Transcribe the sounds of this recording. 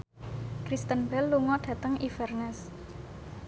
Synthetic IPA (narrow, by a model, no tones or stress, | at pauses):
kɾist̪ənbɛlːuŋɔɖ̥ä̤t̪əŋifɛrnɛs